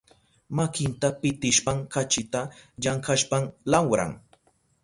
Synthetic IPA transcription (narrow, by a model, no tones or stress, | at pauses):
makɪnt̪apɪt̪ɪʃpaŋkat͡ʃɪt̪aʎaŋkaʃpamlawɾa̰ŋ